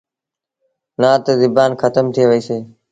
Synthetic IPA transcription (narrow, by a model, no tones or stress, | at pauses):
nãːt̪əd̪ɪbaːnxʰət̪əmt̪ʰieːʋəiːseː